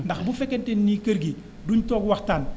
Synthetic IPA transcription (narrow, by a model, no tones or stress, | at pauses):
ndɐxbufɛkːɛntɛnːikɐɾɡi | duːɲtɔːɡwɐxtaːn